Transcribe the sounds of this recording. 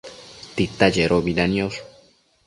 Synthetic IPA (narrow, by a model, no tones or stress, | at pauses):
t̪it̪ad͡ʒeɾʔoβilanjoso̥